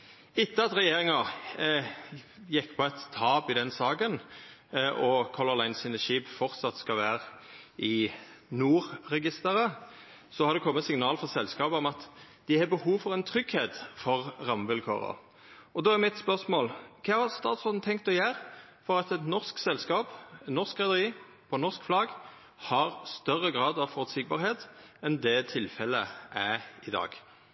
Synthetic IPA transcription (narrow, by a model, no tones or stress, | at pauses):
ɪt̪ːəɑt̪ɾɛjeːɾɪŋɑʁ | jɛkːpʰɔɛt̪t̪ʰːɑːpɪd̪ɛnsɑːkən | ʔɔkʰɔlɔlɑɪnsiːnəʃiːbfɔɾt̪sɑt̪skɑlʋæːʁɪnuːɾːɛɡɪst̪əɾə | sɔhɑɾd̪ɛkʰɔmːət̪sɪŋnɑːlfɔʁsɛlskɑːpəɔmɑt̪ | d̪̥ɪhɑbəhuːʋfɔʁɛnt̪ʰɾʏɡheːt̪fɔʁʁɑmʋɪlkʰo̰ːʁə̰ | ɔd̪oːæɾmɪt̪spœʁsmoːlkʰɑːɑʁst̪ɑːt̪sʁɔd̪n̩t̪ʰɛŋkt̪ɔjæːɾ | fɔɾɑt̪ɛt̪nɔʁsksɛlskɑːp̪nɔʁskʁɛd̪əʁiː | pʰɔnɔʁskflɑɡ | hɑʁst̪œʁəɡʁɑːd̪ɑʋfɔɾt̪sɪɡ̚bɑːɾheːt̪ɛnd̪ɛt̪ʰɪlfɛləʔæɪd̪ɑ̰ːɡ